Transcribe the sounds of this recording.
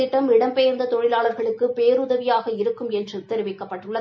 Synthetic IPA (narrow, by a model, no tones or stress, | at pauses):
ɪʈːɐmɪɽɐmpejɐɾnd̪ɐt̪ɔɻɪlaːɭɐɾɣɐɭɯkːɯpeːɾʊðɐʋɪjaːɣɐɪɾɯkːɯmɛndrɯt̪ɛɾɪʋɪkːɐpːɐʈːɯɭːɐ